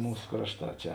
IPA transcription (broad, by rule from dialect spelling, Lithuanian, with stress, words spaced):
ˈmuːs ˈkrɑːʃˌtɑː ˈt͡ʃʲɛ